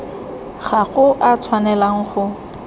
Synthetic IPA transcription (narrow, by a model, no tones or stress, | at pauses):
χaɣʊʔat͡sʰwanɛlaŋ̩χʊ